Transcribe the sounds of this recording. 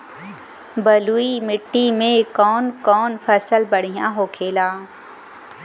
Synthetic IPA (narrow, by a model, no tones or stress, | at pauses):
bɐluːimɪʈːimẽkɔːnkɔːnfəsəlbɐɽ̤ijã̰ːɦoːkʰeːlaː